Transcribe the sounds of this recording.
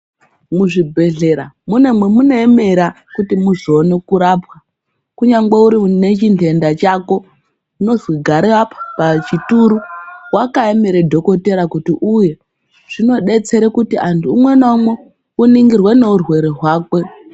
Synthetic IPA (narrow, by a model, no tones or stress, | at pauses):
muʐibʱe̞ɮe̞ɾa | munemwemune̞ːme̞ɾa | kutimuʐonekuɾaːpwa | kuɲaŋɡeuɾine̞t͡ʃintʰe̞ndat͡ʃako̞ | uno̞zwiɡʱaɾeapḁpat͡ʃituɾuwakaeme̞ɾedʱo̞ko̞te̞ɾakutiʔuje̞ | ʐ̥ino̞ɗe̞t͡se̞ɾekutiantʰuːmwe̞naumwe | uniŋɡirwe̞ne̞urwe̞ɾeɦwaːkwe̞